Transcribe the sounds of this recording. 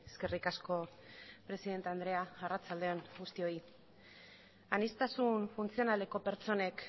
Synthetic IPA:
eske̞rikasko̞ | pɾe̞siðe̞nt̪eand̪ɾe̞aarat͡sald̪e̞oŋɡust̪io̞i | anist̪asunfunt͡sio̞nale̞ko̞pe̞ɾt͡so̞ne̞k

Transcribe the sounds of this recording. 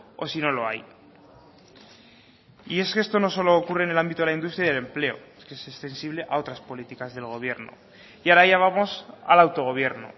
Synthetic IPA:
osino̞lo̞aj | ie̞ske̞st̪o̞no̞so̞loːkure̞ːne̞lambit̪o̞elaind̪ust̪ɾaiðele̞mple̞o̞̰ | kesest̪e̞nsiβle̞ʔao̞t̪ɾaspo̞lit̪ikazðe̞lɣ̞o̞βje̞ɾno̰ | iaɾaejaβ̞amo̞sa̰lawt̪o̞ɣ̞o̞β̞je̞ɾno̰

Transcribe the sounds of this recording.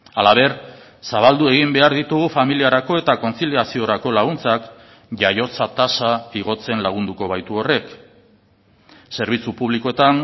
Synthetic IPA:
alaβe̞ɾ | saβald̪ue̞ɣ̞imbe̞aɾðit̪uɣufamiliaɾako̞e̞t̪ako̞nt͡siliasio̞ɾako̞laɣunt͡sak | ʝajo̞t͡sat̪asaiɣo̞t͡se̞nlaɣ̞und̪uko̞β̞ajt̪uo̞re̞k | se̞ɾβ̞it͡supuβliko̞e̞t̪an

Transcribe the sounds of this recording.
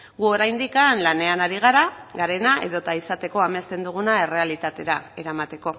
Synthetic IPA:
ɡuo̞ɾajnd̪ikanlane̞anaɾiɣ̞aɾaɡaɾe̞naʔe̞̰ðo̞t̪aisat̪e̞ko̞amest̪e̞nd̪uɣ̞unae̞re̞alit̪at̪e̞ɾae̞ɾamat̪e̞ko̞

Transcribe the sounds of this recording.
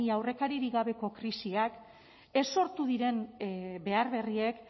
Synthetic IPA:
iawre̞kaɾiɾiɣaβ̞e̞ko̞kɾisiak | e̞so̞ɾt̪uðiɾe̞mbe̞aɾβe̞rie̞k

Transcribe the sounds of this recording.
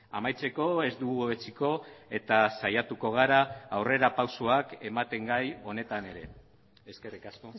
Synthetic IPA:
amajt͡se̞ko̞e̞zd̪uɣuet͡siko̞e̞t̪asajat̪uko̞ɣ̞aɾaːwre̞ɾapawsoake̞mat̪e̞ŋɡajo̞ne̞t̪ane̞ɾe̞̰ | eskerikasko̞

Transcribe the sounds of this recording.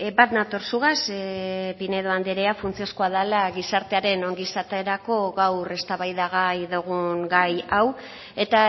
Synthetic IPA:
bat̪nat̪o̞ɾsuɣaspine̞ðoand̪eɾeafunt͡sio̞skoað̞alaɣisaɾt̪e̞aɾe̞no̞ŋɡisat̪eeɾako̞ɣawre̞st̪aβajðaɣajðoɣuŋɡajaw | e̞t̪a

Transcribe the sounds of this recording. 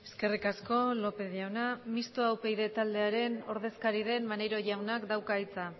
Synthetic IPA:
e̞ske̞rikasko̞lo̞pe̞ðjawnamist̪oawpe̞jðe̞t̪ald̪e̞aɾe̞no̞ɾð̞e̞skaɾið̞e̞nmane̞ɾo̞ʝawnakd̪awkait͡sa

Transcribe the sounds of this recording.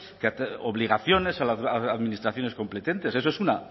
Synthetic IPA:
kat̪oβliɣ̞aθjo̞ne̞salaaaðminist̪ɾaθjo̞neko̞mple̞t̪e̞nt̪e̞ses̬oe̞suna

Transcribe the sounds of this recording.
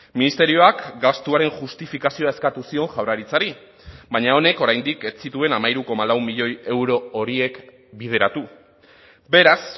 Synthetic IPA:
minist̪e̞ɾio̞akɡast̪uaɾe̞ŋʝust̪ifikasio̞ae̞skat̪usio̞ŋʝawraɾit͡saɾi | baɲao̞ne̞ko̞ɾajnd̪ike̞t͡sit̪ue̞namajɾuko̞malawmiʎo̞je̞wɾo̞ːɾie̞k | bið̞e̞ɾat̪u | be̞ɾas

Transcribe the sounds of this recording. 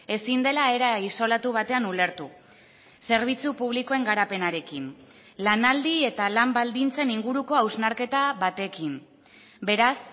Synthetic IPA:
e̞sind̪e̞lae̞ɾaiso̞lat̪uβ̞at̪e̞anule̞ɾt̪u | se̞ɾβ̞it͡supuβ̞liko̞e̞ŋɡaɾape̞naɾe̞kin | lanald̪ie̞t̪alambald̪int͡se̞niŋɡuɾuko̞awznaɾke̞t̪aβat̪e̞kim | be̞ɾas

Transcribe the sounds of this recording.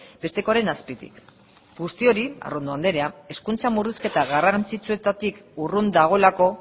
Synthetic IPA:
b̥e̞st̪e̞koaɾe̞naspit̪ḭk | ɡust̪io̞ɾia̰rond̪oand̪e̞ɾe̞ae̞skunt͡samuriske̞t̪aɣarant͡sit͡sue̞t̪at̪ikurund̪aɣ̞o̞lako̞

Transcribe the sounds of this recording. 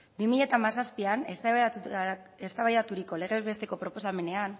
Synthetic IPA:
bimiʎe̞t̪amasaspianes | est̪aβajðat̪uɾiko̞le̞reβe̞st̪e̞ko̞pɾo̞po̞same̞ne̞an

